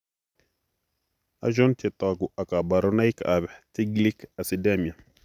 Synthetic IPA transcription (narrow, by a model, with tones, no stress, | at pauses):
a̰˦ʒɔ˦nt̪et̪aɡu˨a˨ka˨ba˨ɾɔna˦jka̰bɛ˨ti˦ɡli˦ka˨sidɛmi˨a˨